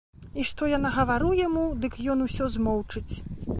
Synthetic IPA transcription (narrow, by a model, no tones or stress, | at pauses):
iʂt̪ɔjanaɣɐvaɾujamud̪ɨkjɔnusʲɔzmɔwt͡ʂɨt͡sʲ